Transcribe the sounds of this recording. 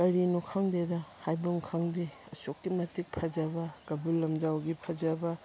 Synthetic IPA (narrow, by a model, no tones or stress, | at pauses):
kɐɾinukʰaŋdedɐhajbuŋkʰaŋdiɐsokːimɐtik̚pʰɐd͡ʒɐbɐkɐbulːɐmd͡ʒawɡipʰɐd͡ʒɐbɐ